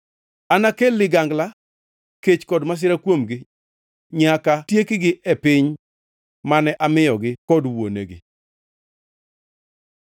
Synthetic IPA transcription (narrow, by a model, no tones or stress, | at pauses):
anakelːɪɡaŋɡla | ket͡ʃkɔdmas̬ɪɾakwomɡɪ | ɲakatjekɪɡɪʔɛpɪɲ | manɛʔamɪjɔɡɪkɔdwo̰nḛɡɪ̰